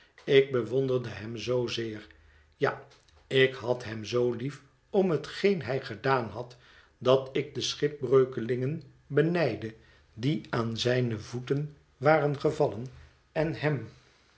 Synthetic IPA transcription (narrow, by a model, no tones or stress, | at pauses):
ɪɡ̚bəʋɔndərdəɦɛmzowzɪːr | ja | ɪkɦɑtɦɛmzowlif | ɔmɦətχejnɦɛjχədaːnɦɑt | dɑtɪk̚dəsχɪp̚brøɥkəlɪŋən | bənɛjdə | diaːnzɛjnəvutən | ʋaːrənχəvɑlən | ɛnɦɛm